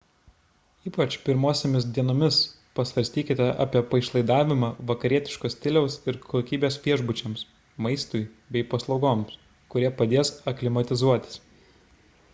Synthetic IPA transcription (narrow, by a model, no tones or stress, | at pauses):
iːpɐt͡ʃpʲɪɾmoːsʲemʲɪs̬d̪ʲiɛnoːmʲɪs | pɐsʋɐɾʲsʲt̪ʲiːkʲɪt̪ʲɛʔɑ̰ːpʲiɛpɐɪʃlˠɐɪd̪ɑːʋʲɪmɑːʋɐkɐɾʲiɛt̪ʲɪ̥ʃkoːst̪ʲɪlʲɛʊsɪɾkʰoːkʲiːbʲeːsʋʲiɛʒbʊt͡ʃʲɛms | mɐɪst̪ʊɪ | bʲɛɪpɐslˠɒʊɡoːms | kʊɾʲiɛpɐd̪ʲeːsɐklʲɪmɐt̪ʲɪzuɔt̪ʲɪ̥s